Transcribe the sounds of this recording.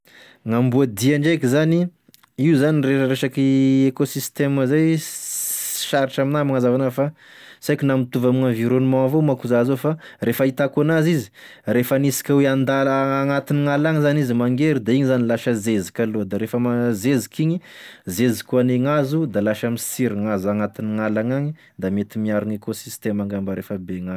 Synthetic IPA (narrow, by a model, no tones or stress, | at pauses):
ŋambuad̪iaɳɖ͡ʐajkizani | iuzaninreəɾeʃakiekosist̪eməzaj | ʃaɾiʈ͡ʂaminamaŋazavanafa | sajkinamit̪uvamiŋãnviɾonumãvomakuzazofarefəit̪akunazizi̥refanisi̥kʲaweand̪alːŋat̪iniŋalaŋizanizimaŋɡeɾid̪aiɲizanilaʃəzezi̥kʲalod̪aɾefəmazezikiɲizezikuaneŋazud̪alaʃamisiɾiŋazaŋat̪iniŋalaŋaɲi | d̪amet̪imiaɾuŋekosist̪emaŋɡambəɾefəbeŋa